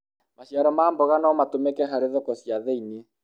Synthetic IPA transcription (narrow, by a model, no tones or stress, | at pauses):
maɕjaɾɔmaːmbɔɣanɔmatomɛkɛɦaɾeðɔkɔsjaðɛinie